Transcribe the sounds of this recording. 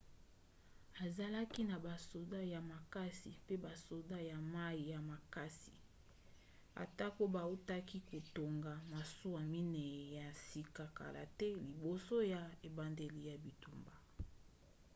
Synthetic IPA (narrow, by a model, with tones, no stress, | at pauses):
a˨za˨la˦ki˦na˨ba˨so˨da˦ja˨ma˨ka˦si˨pe˦ba˨so˨da˦ja˨ma˦i˨ja˨ma˨ka˦si̥˨ | a̰˨ta˦ko˦ba˨u˦ta˦ki˦ko˨to˨ŋɡa˨ma˨su˦a˨mi˦nɛ˨ja˨si˨ka˨ka̰˨la̰˨tɛ˦li˨bo˨so˦ja˨e˨ba˨nde˨li˨ja˨bi˨tu˨mba˨